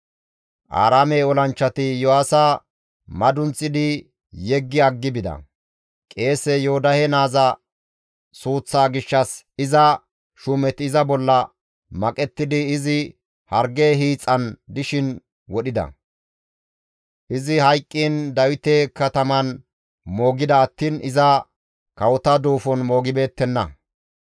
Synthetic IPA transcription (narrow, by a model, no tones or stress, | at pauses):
ʔa̰ːɾaːmeːɔlɐnt͡ʃːɐt̪ɪjɔhaːsaː | mɐd̪ʊnt͡sʼːɪd̪ɪ | jɛɡːɪɐɡːɪbɪd̪ɐ̰ | kʼe̞ːsɛjɔːd̪ɐhɛnaːzɐ | suːt͡sːaːɡɪʃːɐs | ɪzɐ | ʃʊmɛt̪ɪɪzɐbɔlːɐ | mɐkʼɛt̪ːɪd̪ɪːzɪ | hɐɾɡeːɦiːt͡sʼːɐnd̪ɪʃɪn | wɔɗɪd̪ɐ̰ | ʔɪzɪhɐjkʼːiːnd̪ɐwɪt̪ekɐt̪ɐmɐn | mo̞ːɡɪd̪ɐːt̪ːiːnɪzɐ | kɐwɔt̪ɐd̪uːfɔnmo̞ːɡɪbe̞ːt̪ːɛnːɐ̰